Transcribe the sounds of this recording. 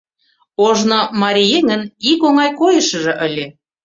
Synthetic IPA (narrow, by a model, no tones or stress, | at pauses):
oʒnomɑɾʲijeŋənikoŋɑjkojə̆ʃə̆ʒɤ̆ʔə̆lʲe